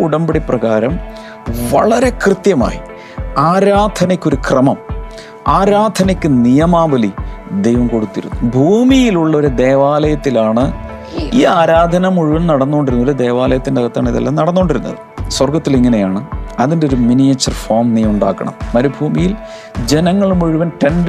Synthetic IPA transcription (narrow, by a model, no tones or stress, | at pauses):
uɽɐmbɐɽiprɐɣaːɾɐm | ʋɐ̰ɭɐɾe̞krɨt̪jɐma̰ːji | aːɾaːd̪ʱɐnɐkʲːoɾukrɐmɐm | aːɾaːd̪ʱɐnɐkʲːɨnijɐmaːbɐlid̪ejʋɐmko̞ɽut̪ːiɾṵnːubʱuːmijiluɭːɐo̞ɾud̪e̞ːʋaːlɐjɐt̪ːilaːɳɨ | iːaːɾaːd̪ʱɐnɐmuɻuʋɐnnɐɽɐnːoːɳɖiɾunːuɾud̪e̞ːʋaːlɐjɐt̪ːindeɐɣɐt̪ːa̰ːɳɨiðɐ̰lːanɐɽɐnːoːɳɖiɾunːɐ̰ðɨswɐrɡɐt̪ːiliŋːɐne̞jaːɳɨɐðindeo̞ɾuminijet͡ɕːɐrfoːrmnijɐmuɳɖa̰ːkːɐɳɐ̰mːɐɾubʱuːmijil | d͡ʑe̞nɐŋːɐɭumuɻuʋɐnʈeɳɖ